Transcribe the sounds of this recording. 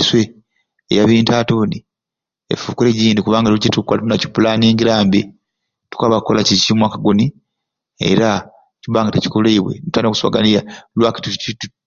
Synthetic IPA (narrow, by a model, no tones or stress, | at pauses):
swe | ḛjaβiːntaːtuːni | ḛfuːkuleɟiːndikuβaːŋɡaucetukːolatunaci̥pulaːniːŋɡiɾaːmbi | tu̥kaːβakːolacicimwaːkaɡuni | ḛɾa | cuβaːŋɡateci̥koleiβwe̞̰ntanoku̥swa̰ɡanijalwaki̥tuitu